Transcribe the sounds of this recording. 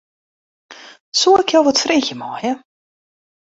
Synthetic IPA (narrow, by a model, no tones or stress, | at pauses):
suəɪkjɔwʋɔtfrixjəmɔːjə